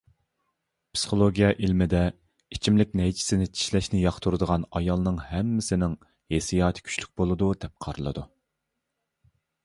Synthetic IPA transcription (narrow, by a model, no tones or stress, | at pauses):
psi̥χolˠoɡʲijɛʔilmɪd̪ɛ | it͡ʃʰimlɪk̚ʲnɛjt͡ʃʰi̥sɪnɪt͡ʃʰi̥ʃlɛʃnɪjɑχt̪ʰuɾɨd̪əʁɑnɑjɑlˠnɨŋhɛmːɪsɪnɪŋ | hesijɑːt̪ʰɪ̥kʲʰy̥t͡ʃly̥k̚ʲbolˠɨd̪ud̪ɛp̚qʰɑɾɨlˠɨ̰d̪u